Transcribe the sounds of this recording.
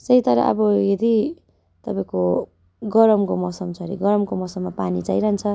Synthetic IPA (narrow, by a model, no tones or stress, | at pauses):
sʌit̪ʌɾa̰ʔʌ̰bʌjed̪i | t̪ʌpaĩko | ɡʌɾʌmkomʌsʌmt͡sʰʌɾḭɡʌɾʌmkomʌsʌmːapanit͡sajɾant͡sʰʌ